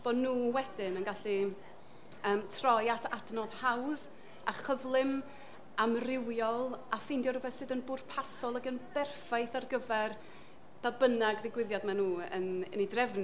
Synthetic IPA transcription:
b̥ɔnuːwɛdɪnənɡaɬi | əːmtʰrɔjatʰa̰dnɔð̥hawð | aχəvlˠɪm | amrɪwjɔlˠafɪjndjɔɾʊbɛθsɨðənbʊrpʰasɔlˠəɡənbɛrfajθarɡəvɛr | b̥abənaɡðɪɡwɪðjɔdmanuːə̰nənidrɛvn

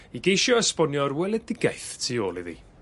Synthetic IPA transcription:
iɡejʃjɔəspɔnjɔrwɛlˠɛdɪɡajθtʰiːoːlˠḭðḭː

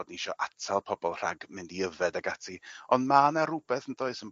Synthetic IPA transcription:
dn̩iʃɔʔatʰalˠpʰɔbɔlˠr̥a̰ɡmɪndiəvɛdaɡatʰiɔndmanaɾʊbɛθəndoɨsən

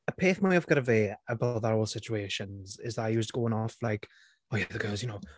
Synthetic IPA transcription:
əpʰeːθmaaɪvɡɔɾəveːəbaʊðəɹoːlˠsɪt͡ʃueːʃə̃nzɪzðətaɪjuːstəɡ̥oːɪ̃ŋɔflaɪk | oːjæðəɡɜːlˠzjənoʊ

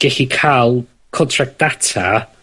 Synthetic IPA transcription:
ɡ̥ɛɬikʰaːlˠ | kʰɔntʰrak̚d̥atʰa̰

